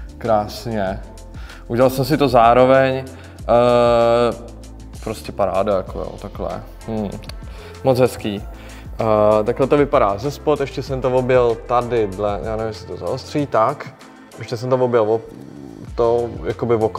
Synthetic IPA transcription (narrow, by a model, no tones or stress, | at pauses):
kɾaːsɲɛ | ʔuɟɛlalsɛmsɪt̪o̞zaːɾo̞vɛɲ | ə | pɾoscɛpaɾaːdajakojo̰ːt̪aklɛ̰ | mm̩ | mot͡sɦɛskiː | t̪aklɛt̪ovɪpadaːzɛspot̪ɛʃcɛsɛmt̪ovobjɛlt̪adɪdlɛjʔaːnɛvɪmsɪ̥t̪oza̰ost̪r̥iːt̪ak | ʔɛʃcɛsɛmt̪ovobjɛlvo | t̪ojakobɪvok